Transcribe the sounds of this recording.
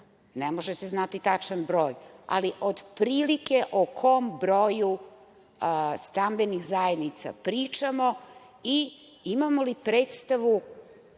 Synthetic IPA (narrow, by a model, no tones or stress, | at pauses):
nemoʒeseznat̪it̪at͡ʃanbɾo̞ːja̰liʔod̪pɾiːlike̞ʔokʰo̞mbɾo̞ju | st̪ambenixzajed̪nit̪sa̰pɾiːt͡ʂamo̞ | i | imamo̞lipɾe̞ːt̪st̪aʋu